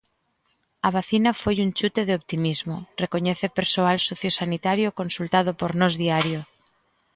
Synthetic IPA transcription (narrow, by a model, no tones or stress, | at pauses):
aβ̞aθinafojunt͡ʃut̪eð̞eopt̪imizmorekoɲeθepeɾsoalsoθjosanit̪aɾjokonsult̪aðopoɾnozðiaɾjo